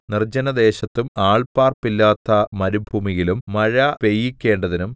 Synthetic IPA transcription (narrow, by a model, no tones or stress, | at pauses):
nird͡ʑɐnɐd̪e̞ːɕɐt̪ːumaːɭpaːrpːilːaːt̪ːɐmɐɾubʱuːmiɣilumːɐɻɐpe̞jːikʲːe̞ːɳɖɐðinum